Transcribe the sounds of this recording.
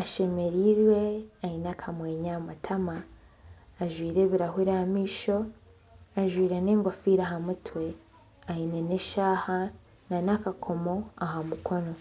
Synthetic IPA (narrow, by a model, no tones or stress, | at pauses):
aʃe̞me̞ɾiɾwe̞ainakʰamwe̞ːɲamatʰamaː | ʒwiːɾe̞βiɾaɦuɾamiːʃo̞ | aʒwiːɾeneːŋɡofiːɾaɦamutwe̞ | aineneʃaːha | nanakakʰo̞mo̞ahamukʰo̞no̞